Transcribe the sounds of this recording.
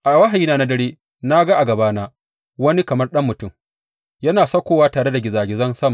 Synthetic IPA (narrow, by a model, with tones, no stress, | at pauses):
ʔa˨wa˦ɦa˨jiː˦naː˦˨na˦dɐ˦ɽeː˦ | na˦ɡa˦ʔa˨ɡɐ˨baː˦naː˦ | wɐ˦ni˦kɐ˨mɐ˦rɗɐ˦mːʊ˨tʊ˦˨m | jɐ˦naː˨sɐ˦kʷoː˦waː˦taː˨ɽe˦da˨ɡʲɪ˨zaː˨ɡʲɪ˨zɐ˦nsɐ˦ma˨